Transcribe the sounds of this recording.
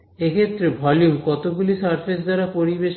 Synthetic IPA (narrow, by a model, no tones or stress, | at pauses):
ekʰet̪ːɾebʱɔljumkɔt̪oɡulisaɾpʰes̬d̪aɾapoɾibeʃ